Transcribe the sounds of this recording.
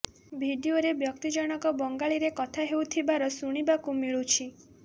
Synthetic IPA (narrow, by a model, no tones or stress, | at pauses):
bʱiɖioɾebjɔk̚t̪id͡ʒɔɽ̃ɔkɔbɔŋɡaɭiɾekɔt̪ʰaɦewt̪ʰibaɾɔsuɽ̃ibakumiɭut͡ʃʰi